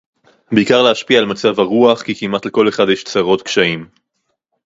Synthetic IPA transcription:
beikaʁleaʃpiaːlmat͡savaʁuaχkikimat̪leko̞le̞χad̪jeʃt͡saʁo̞tkʃaim

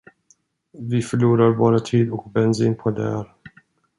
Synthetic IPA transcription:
vɪfœɭuːɾaɾbɑːɾat̪ʰiːd̪ɔkbɛnsiːnpʰɔd̪ɛ̰æɾ

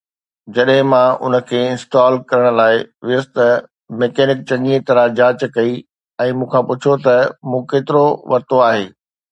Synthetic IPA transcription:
d͡ʑɐɗɦɪ̃mãʔʊ̰nə̆kʰeːɪ̃nsʈaːlkɐɾəɽ̃ʊ̆laːɪʋɪəst̪ɐ | meːkɛːnɪk̚t͡ɕɐ̃ŋiet̪ɐɾad͡ʑaːt͡ɕkɐi | ɛ̃ːmũːkʰãpʊt͡ɕʰot̪ɐmũːkeːt̪ɪɾoʋɐɾt̪oaːɦeː

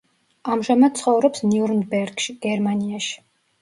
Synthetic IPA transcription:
amʒamad̪̥̚sʰχɔvɾɔpsniuɾnbɛɾɡʃiɡ̥ɛɾmaniaʃi̥

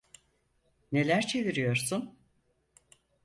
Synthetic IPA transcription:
ne̞lʲæɾt͡ʃʰe̞viɾijo̞ɾsun

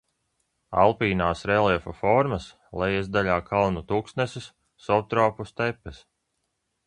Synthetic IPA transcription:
a̰lˠpiːnaːsɾɛlɛfɐfɔɾmɐs | lɛjɛzd̪aʎʲaːkʰalˠnut̪uksnɛsɪs | sɔwt̪ɾɔːpust̪ɛpːɛs

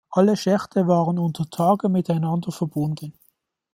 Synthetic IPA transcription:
ʔaləʃɛχtʰəvaːʁənʊntʰətʰaːɡəmɪtaɪnɑndɐfɛɐbʊndən

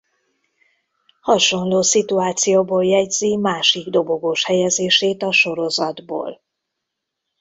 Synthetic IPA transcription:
hɒʃo̞nloːsit̪uaːt̪sijoːboːljɛɟz̥imaːʃiɡd̪o̞bo̞ɡoːʃhɛjɛzeːʃeːt̪ɒʃo̞ɾo̞zɒd̪bo̰ːl

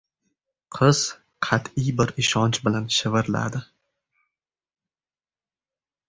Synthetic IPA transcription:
qʰɨz̥ | qʰɑt̪ʰɪjbɪɾɪʃɒnt͡ʃbɪlanʃɪvɪɾla̰d̪ɪ

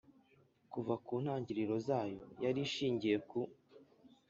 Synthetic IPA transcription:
kuvakuːn̥haːɲɟiɾiɾo̞zaːjo̞̰jaɾiʃiːɲɟije̞ku

